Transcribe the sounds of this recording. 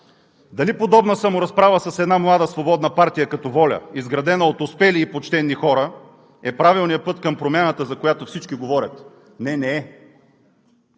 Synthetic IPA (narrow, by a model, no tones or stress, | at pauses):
d̪ɐlipod̪ɔbnəsəmʊɾɐspɾavəsɐsɛd̪namlˠad̪əsvobɔd̪nɐpaɾt̪ijəkɐt̪ɔvɔlʲə̰izɡɾɐd̪ɛnəot̪ʊspɛliːpot͡ʃt̪ɛnːixɔɾə | ɛpɾavilˠnijəpɤt̪kɐmpɾomʲjanət̪əzɐkojat̪ofsit͡ʃkiɡovɔɾʲət̪ | nɛnɛɛ